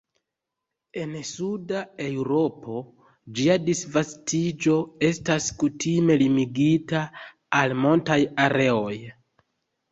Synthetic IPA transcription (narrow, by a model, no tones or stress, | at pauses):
e̞nsudae̞wɾo̞pʰo̞ | d͡ʒiadisvastʰid͡ʒo̞e̞staskutʰime̞limiɡitaː | lmoltajaɾe̞o̞j